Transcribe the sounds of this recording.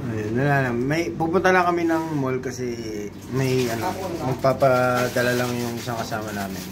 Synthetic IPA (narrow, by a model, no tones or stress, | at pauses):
ʔonɐlaːlɐmːɐjpupʊnt̪ɐnɐkɐmɪnɐŋmolkɐsɛ | mɐjʔɐno̞mɐɡ̚paːpɐd̪ɐlɐlɐŋjʊŋʔɪsaŋkɐsaːmɐnaːmɪn